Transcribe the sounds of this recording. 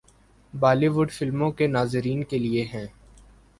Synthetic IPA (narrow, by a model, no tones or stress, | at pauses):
baːliʋʊɖfɪlmõkenaːzɪɾiːnkelieɦɛ̃ː